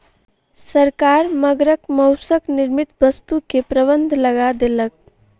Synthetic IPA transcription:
səɾkaɾməɡɾəkməʊsəkniɾmit̪bəst̪ukepɾəbənd̪ʱləɡad̪elək̚

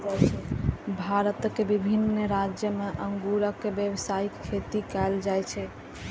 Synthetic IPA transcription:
d͡ʒajt͡ʃʰɛbʱaɾət̪kːebibʱinɾad͡ʒjəmeʔəŋɡuɾəkːebjebsajikkʰːet̪ikɛld͡ʒajt͡ʃʰɛ

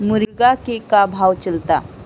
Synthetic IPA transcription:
muɾɡakekabʱawt͡ʃəlt̪a

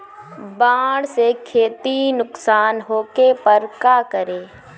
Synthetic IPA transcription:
baːɽsekʰeːt̪inʊksaːnɦoːkepəɾkaːkəɾeː

